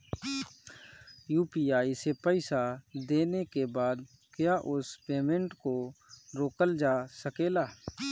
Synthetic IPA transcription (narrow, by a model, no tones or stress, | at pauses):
juːpiːaːisepɛɪsad̪eːnekebaːd̪ | kjaːʔʊspeːmẽɳʈkoɾoːkəld͡ʒaːsəkeːlaː